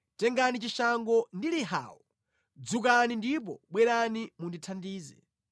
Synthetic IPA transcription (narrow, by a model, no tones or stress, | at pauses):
tɛŋɡanit͡ʃiʃaŋɡɔndiliɦa̰ːwɔ | d͡zukanindip̬ɔ̰ɓwɛɾanimunditʰandiːzɛ̰